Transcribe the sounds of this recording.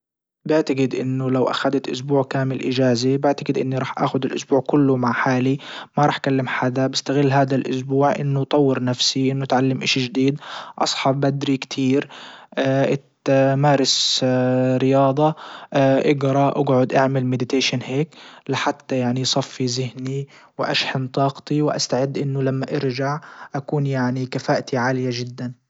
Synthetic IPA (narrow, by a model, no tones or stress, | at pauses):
bɪʕt̪aɡɪd̪ʔɪnːʊlawʔa̰xad̪at̪ʔʊ̰s̬buːʕkaːmɪlʔɪd͡ʒaːzibɪʕt̪aɡɪd̪ʔɪnːiɾˤɑːħʔa̰ːxʊd̪ɪlʔʊ̰sbuːʕkʊlːʊmaʕħaːlimaɾˤɑːħkalːɪmħad̪abɪst̪aɣɪlːɦaːd̪alʔʊ̰sbuːʕʔɪ̰nːʊt̪ˤɑwːɪɾnafsiʔɪnːʊt̪ʕalːamʔɪʃiʒd̪iːd̪ʔɑ̰sˤħɑbbad̪ɾikt̪ʰiːɾʔʔɪt̪maːɾˤɪs | ɾɪjɑːd̪ˤɑ | ʔɪɡɾˤɑʔa̰ɡʕʊd̪ʔaʕmɪlmɪd̪ɪt̪eːʃanheːklɪħat̪ːajaʕnisˤɑfːizɪhni | wʔa̰ʃħɪnt̪ˤɑːqt̪iwʔa̰st̪aʕɪd̪ːʔɪnːʊlamːaʔɪɾd͡ʒaʕʔakuːnjaʕnikafaːʔt̪iʕaːlɪjaʒɪd̪ːan